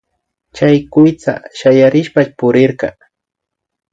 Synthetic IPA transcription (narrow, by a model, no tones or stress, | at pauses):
t͡ʃajkʊjt͡sa̰ʃajaɾɪʃpat͡ʃpʊɾɪɾɢɑ̰